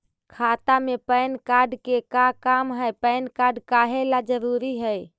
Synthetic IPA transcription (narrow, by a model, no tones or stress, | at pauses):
kʰat̪amepənkaːɾɖkekakamɦəjpəɪnkaːɾɖkaːɦelad͡ʒəɾuɾiɦəj